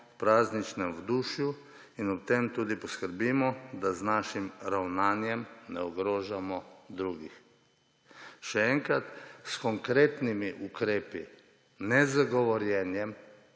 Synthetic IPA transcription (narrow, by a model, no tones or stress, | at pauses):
pɾaːznit͡ʃnɛmwd̪uːʃju | inɔpt̪emt̪uːd̪ipɔskəɾbiːmɔd̪aznaːʃimɾawnaːnjɛmnɛɔɡɾoːʒamɔd̪ɾuːɡix | ʃɛɛŋkɾat̪skɔŋkɾeːt̪nimiʔukɾeːpḭ | nɛzaɡɔʋɔɾjɛːnjɛm